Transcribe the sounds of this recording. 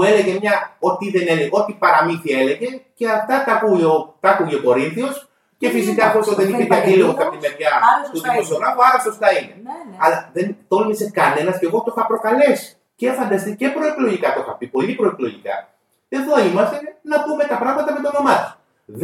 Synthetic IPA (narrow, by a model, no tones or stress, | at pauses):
ue̞le̞ʝe̞mɲɐo̞t̪iðe̞neleɣot̪ipɐɾɐminθie̞le̞ʝe̞ce̞ɐft̪ɐkɐkuʝeokɐkuʝeoko̞ɾinθio̞s | ce̞fisikɐːftost̪oðeniçeðɐt̪ileɣokɐpt̪imevʝɐsput̪iosonɐvoɐɾɐpst̪osnɐine̞ɐlɐðent̪o̞lmise̞kɐne̞nɐsce̞ɣo̞t̪o̞xɐpɾo̞kɐle̞si̥ | cefɐnd̪ɐst̪ice̞pɾo̞eklo̞ʝikɐt̪o̞xɐpipo̞iðipɾo̞eklo̞ʝikɐ̰ | ɐθoimɐst̪e̞nɐpume̞t̪ɐpɾɐɣmɐt̪ɐme̞t̪ono̞mɐt̪u̥s | ð